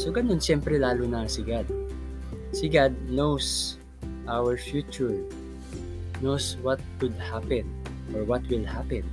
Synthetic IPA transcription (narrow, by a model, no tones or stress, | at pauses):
soɡɐnonʃɛmpɾɛlaːlʊnɐsɪɡad̪̚ | sɪɡad̪̚nows | ʔawɛɹfjut͡ʃʊɹ | nowswɐt̪̚kʊd̪̚hapɛ̃n | ʔɔɹwɐt̪wɪlhapɛ̃n